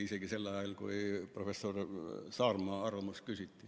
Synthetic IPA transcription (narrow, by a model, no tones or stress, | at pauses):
iseɡ̥ise̞lːɑjɑlkṵiprofesorsɑːrmɑːɑrɑmuskysit̪ːi